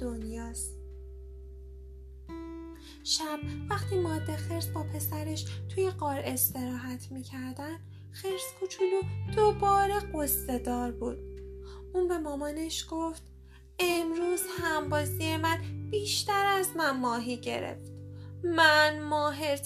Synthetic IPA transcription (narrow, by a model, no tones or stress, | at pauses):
d̪onjɒːst | ʃæb̥̚væxt̪ʰiːmɒːd̪ːe̞xe̞ɾsbɒːpʰe̞sæɾe̞ʃt̪ʰujeɢɒːɾe̞st̪e̞ɾɒːɦæt̪ʰmiːcʰæɾd̪æn | xeɾskʰut͡ʃʰulud̪̥obɒːɾe̞ɢosːe̞d̪ɒːɾbuːd̪̥̚uːnbe̞mɒːmɒne̞ʃɡ̥oft̪ | emɾuːzhæmbɒːzijemænb̥iːʃt̪æɾæzmænmɒːɦiɟe̞̰ɾḛft̪mænmɒːɦeɾ